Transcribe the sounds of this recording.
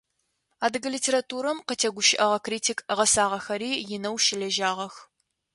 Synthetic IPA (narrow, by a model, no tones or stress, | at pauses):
aːdɨɡɐlitʰeːɾatʰuːɾɐmqətʰeːɡʷʊʃɪʔɐʁɐkriːtʰikʁɐsaːʁɐxɐɾiːjɪnɐwʃɪɮɐʒaːʁɐx